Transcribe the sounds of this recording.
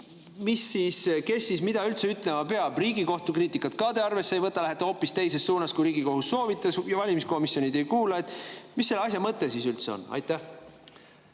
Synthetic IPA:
misːiːske̞sːismid̪̥ɑylt̪se̞yt̪ˑle̞mɑpeɑb̥riːɡiko̞ht̪ukriːt̪ikːˑɑt̪̚kɑt̪eɑrve̞sːejvɤt̪ːˑɑlæɦet̪ːˑho̞ːpːist̪e̞jse̞stːuːnɑskujɾiːɡiko̞ɦusːo̞ːvit̪ːˑɑsjɑvɑlʲimisko̞misjo̞nid̪e̞jkuːlɑet̪ːˑmisːe̞lːɑsʲjɑmɤt̪ːˑesisylt̪se̞o̞̰nɑ̰jt̪ːˑæh

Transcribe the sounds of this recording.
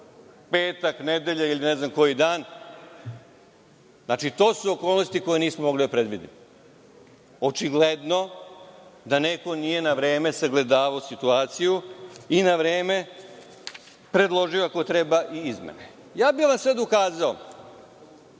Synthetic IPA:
peːt̪akned̪eʎailineznamko̞jid̪aːn | nat͡ʃit̪o̞ːsuokoːlˠno̞st̪iko̞jeniːsmomo̞ɡlid̪apɾe̞d̪ʋid̪ḭm | o̞t͡ʃiɡled̪no̞ | d̪aneko̞nije̞naʋɾe̞ːme̞saɡle̞d̪aːʋaosit̪uaːt̪sijuinaʋɾeːme̞ | pɾe̞d̪lˠo̞ʒijoako̞t̪ɾebaʔiizmḛne | jaːbiʋamsed̪okaːzao

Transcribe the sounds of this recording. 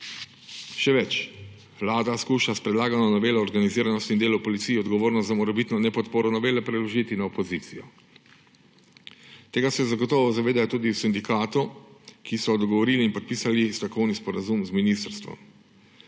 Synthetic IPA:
ʃɛʋɛt͡ʃ | ʋlaːd̪askuːʃaspɾɛd̪laːɡanɔnɔʋeːlɛɔɾɡaniziːɾanɔst̪ind̪eːlupɔlit̪sijɛɔd̪ɡɔʋoːɾnɔst̪zamɔɾɛbit̪nɔnɛpɔt̪poːɾɔnɔʋeːlɛpɾɛlɔʒiːt̪inaɔpɔziːt̪sijɔ | t̪eːɡasɛzaɡɔt̪ɔːʋɔzaʋeːd̪ajɔt̪uːd̪iwsind̪ikaːt̪ukisɔd̪ɔɡɔʋɔɾiːliːnpɔt̪̚piːsalist̪ɾɔkʰɔwnispɔɾazumzminist̪ɾst̪ʋɔ̰m

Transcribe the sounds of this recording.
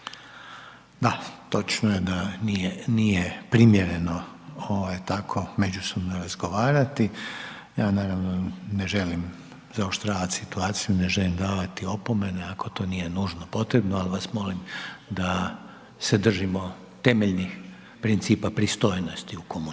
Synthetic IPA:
d̪at̪o̞t͡ʃnoje̞d̪anienijepɾimjeɾe̞no̞ | oʋajt̪akʰo̞me̞d͡ʒuso̞bno̞ɾazɡo̞ʋaːɾat̪i | jaːnaːɾaʋno̞ne̞ʒe̞lim | zaoʃt̪ɾaːʋat̪ʲsit̪uaːt̪sijune̞ʒe̞limd̪aːʋat̪io̞po̞me̞neako̞t̪o̞ːnije̞nuːʒno̞po̞t̪ɾe̞bnoalʋasmo̞limd̪a | sed̪r̩ʒimo̞ | t̪e̞me̞ʎnix | pɾint̪siːpapɾist̪o̞jno̞st̪iukomu

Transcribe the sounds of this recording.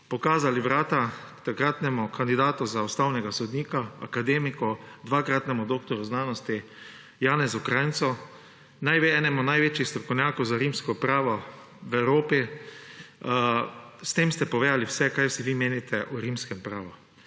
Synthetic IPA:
pɔkaːzaliʋɾaːt̪a | t̪akɾat̪nɛmʊkʰand̪id̪aːt̪uzaust̪awnɛɡasɔd̪niːkaa̰kad̪eːmikɔd̪ʋaːkɾat̪nɛmʊd̪oːk̚t̪ɔɾuznaːnɔst̪i | jaːnɛzɔkɾajnt̪sɔ | najʋeɛːnɛmɔnajʋeːt͡ʃjixst̪ɾɔkɔwnʲjaːkɔwzaɾimskɔpɾaːʋɔ | ʋɛwɾoːpi | st̪emst̪ɛpɔʋeːd̪aliwsɛkajsiʋimeːnit̪ʰɛʔuɾimskɛmpɾaːʋu

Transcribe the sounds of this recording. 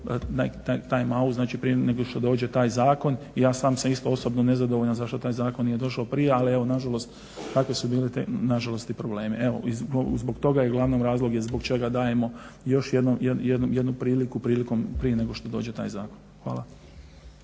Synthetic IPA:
na̰t̪ajt̪aːjmauznaːt͡ʃipɾijeneɡoʃt̪od̪o̞ːd͡ʒet̪aːjzaːko̞n | ijaːsaːmsamist̪oo̞sobnone̞zad̪o̞ʋoʎnazaʃt̪o̞t̪aːjzaːkonije̞d̪o̞ʃaopɾije̞alie̞ʋo̞naʒalo̞st̪ | k̪akʋe̞subiːlet̪enaʒalo̞st̪ipɾoble̞ːmieʋo̞̰izɡzboɡt̪o̞ɡajeɡlˠaʋnomɾaːzlˠoɡjezbo̞ɡt͡ʃe̞ɡad̪aːje̞mo̞jo̞ʃjed̪nomjejed̪nomjed̪nupɾiːlikupɾiːliko̞mpɾije̞ne̞ɡo̞ʃt̪od̪o̞ːd͡ʒe̞t̪a̰ːjzaːkonxʋa̰ːla

